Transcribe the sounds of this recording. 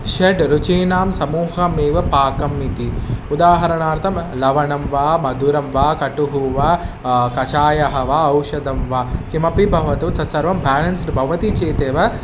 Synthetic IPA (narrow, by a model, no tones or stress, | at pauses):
ʃɐʈɾut͡ʃiːnaːmsɐmuːɦɐmeːʋɐpaːkɐmːit̪iud̪aːɦɐɾɐnaːɾt̪ʰɐmlɐʋɐɳɐmʋaːmɐd̪uɾɐmʋaːkɐʈuɦuʋaː | kɐt͡ʃaːjɐɦɐʋaɐwʂɐd̪ɐmʋaːkimɐpibʱɐʋɐt̪ut̪ɐsɐɾʋɐmbʱaːlɐnsnbʱɐʋɐt̪it͡ʃeːt̪eːʋɐ